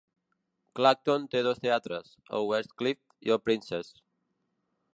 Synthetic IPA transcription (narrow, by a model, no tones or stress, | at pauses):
klak̚t̪ont̪eðost̪eat̪ɾəs | ə̰wɛst̪klift̪ḭopɾinses